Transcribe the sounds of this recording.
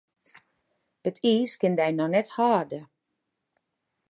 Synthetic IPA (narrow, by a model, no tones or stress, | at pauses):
ətʰiːskɪndɛjnɔnɛthaːrdə